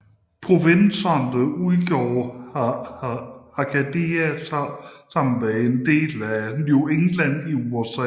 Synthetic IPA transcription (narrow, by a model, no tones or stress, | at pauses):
pʰʁo̝ʋensɐndəuðˠɡ̥jo̰ːh | hɑ̈kʰæd̥eːæssɑ̈m̰n̩meend̥e̝̰ːlænueŋlæn̰iuosɛ